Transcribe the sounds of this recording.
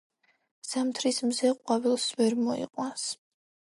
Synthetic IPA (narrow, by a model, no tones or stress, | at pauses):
z̥amt̪ʰɾismzɛqʼwavilˠsvɛɾmɔḭqʼwans